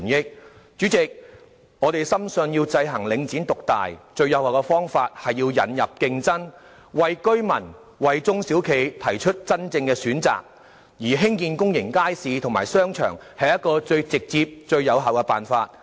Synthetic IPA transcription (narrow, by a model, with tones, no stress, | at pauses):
njɪ˥k̚ | t͡ʃyː˨˥t͡sɪ˨k̚ | ŋɔː˨˧t̪e˨jsɐ˥msɵ˨˧ŋjiː˧wt͡sɐ˧jɦɐ˨˩ŋlɪ˨˧ŋt͡siː˨˥nt̪ʊ˨k̚t̪a̰ː˨jt͡ʃɵ˧ɥjɐ˨˧whɐ˨˩wkɛ˧fɔː˥ŋfaː˧t̚hɐ˨jːiː˧wjɐ̰˨˥njɐ˨p̚kɪ˧ŋt͡sɐ˥n | wɐ˨jkɵ˥ɥmɐ˨˩n | wɐ˨jt͡sʊ˥ŋsiː˨˥wkʰe˨˧jt̪ʰɐ˨˩jt͡ʃʰɵ˥t̚t͡sɐ˥nt͡sɪ˧ŋkɛː˧syː˨˥nt͡sa̰ː˨k̚ | jiː˨˩ɦɪ˥ŋkiː˧nkʊ˥ŋjɪ˨˩ŋkaː˥jsiː˨t̪ʰʊ˨˩ŋmaː˨˩jsœː˥ŋt͡ʃʰœ̰ː˨˩ŋ | hɐ˨jɐ˥t̚kɔː˧t͡sɵ˧ɥt͡sɪ˨k̚t͡siː˧p̚t͡ʃɵ˧ɥjɐ˨˧wɦɐ˨wkɛ˧paː˨nfaː˧t̚